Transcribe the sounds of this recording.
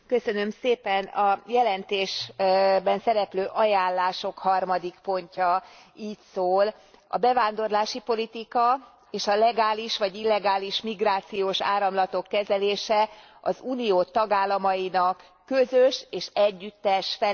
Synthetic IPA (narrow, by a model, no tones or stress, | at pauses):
kø̞sø̞nø̞mseːpɛnɒjɛlɛnt̪eːʃbɛnsɛɾɛpløːʔɒjaːllːaːʃo̞khɒrmɒd̪ikpo̞ɲcɒiːcsoːl | ɒ̰bɛvaːnd̪o̞rlaːʃipo̞lit̪ikɒ | eːʃɒlɛɡaːliʃʋɒɟilːɛɡaːliʃmiɡraːt̪sijoːʃa̰ːɾɒmlɒt̪o̞kːɛzɛleːʃɛ | ɒzuːnijoːt̪ɒɡaːlːɒmɒinɒkː | øzøʃeːʃɛɟːyt̪ːɛʃfɛ